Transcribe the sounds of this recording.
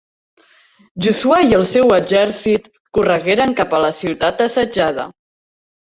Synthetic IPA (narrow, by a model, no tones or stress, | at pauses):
ʒusuajəlˠsɛwəʒɛɾsit̪ | kurəɣeɾəŋkapələsiwt̪at̪̚əsəd͡ʒað̞ə̰